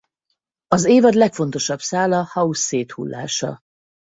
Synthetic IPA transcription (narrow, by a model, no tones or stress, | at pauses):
ɒzeːvɒd̪lɛkfo̞n̪t̪o̞ʃɒbsaːlɒhɒusːeːt̪hṵlːa̰ːʃɒ̰